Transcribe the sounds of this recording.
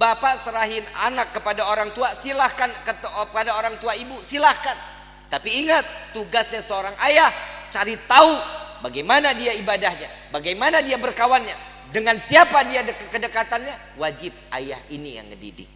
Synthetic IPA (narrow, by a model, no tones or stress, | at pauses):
bapasəɾaɦɪna̰nakːəpadaoɾaŋt̪uasilahkankəpadaoɾaŋt̪uaibusilahkan | t̪apiːŋat̪ːuɡasɲasəoɾaŋʔajaht͡ʃaɾit̪aubaɡajmanadiaibadahɲabaɡajmanadiabərkawanɲa | dəŋansiapadiadəkkədəkat̪anɲa | wad͡ʒɪp̚a̰ja̰hinija̰ŋkədḭdɪ̰k̚